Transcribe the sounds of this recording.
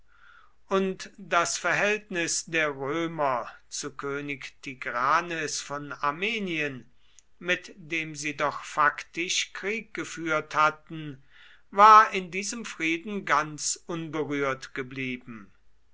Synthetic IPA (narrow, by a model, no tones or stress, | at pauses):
ʔʊntd̥asfɛɐɦɛltnɪsdeːɐʁøːmɐt͡sukʰøːnɪktʰiɡʁaːnɛsfɔnaɐmeːniən | mɪtd̥eːmziːdɔχfaktɪʃkʁ̥iːk̚ɡ̥əfyːɐthatn̩ | vaːɐɪndiːzəmfʁ̥iːdn̩ɡant͡sʔʊnbəʁyːɐtɡ̥əbliːbm̩